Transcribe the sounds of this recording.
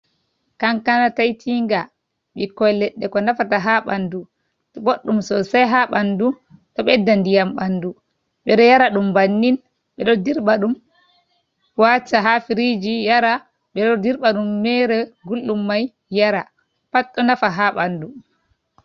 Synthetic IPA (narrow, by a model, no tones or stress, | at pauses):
kaŋkanatajtʰiŋɡa | ɓikɔlɛɗːɛkɔnafataɦaɓandu | ɓoɗːumsɔsajɦaɓandu | tɔɓɛdːandijamɓandu | ɓɛɗɔjaɾaɗumbanːin | ɓɛɗɔdiɾɓaɗum | wat͡ʃaɦafiɾid͡ʒijaɾa | ɓɛɗɔdiɾɓaɗumːɛɾɛɡulːumːaj | jaɾa | patːɔnafaɦaɓandu